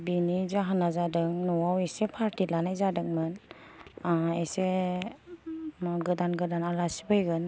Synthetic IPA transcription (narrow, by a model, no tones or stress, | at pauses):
binizaɦanazadɯŋnɔwawesepʰaɾtilanajzadɯŋmɯn | ese | mɡɯdanɡɯdanalasi̥bɯjɡɯn